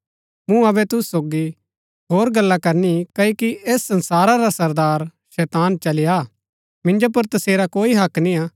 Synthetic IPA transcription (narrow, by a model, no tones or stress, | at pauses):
mũɐbɛt̪ʊssoːɡi | ɦoːɾɡɐlːakɐɾnikɐokiʔeːsːɐ̃nsaːɾaɾasɐɾd̪aːɾ | ʃɛːt̪aːnt͡ʃɐlɪja | mɪ̃nd͡ʒop̬ɐɾt̪ɐseːɾakoːiɦɐkniaː